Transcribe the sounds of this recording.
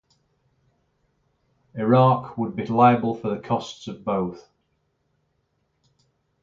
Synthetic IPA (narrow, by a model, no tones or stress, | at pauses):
ɪɹɑˑkʰwəd̚bilaɪəbəlˠfəðəkʰɒstsəvboʊθ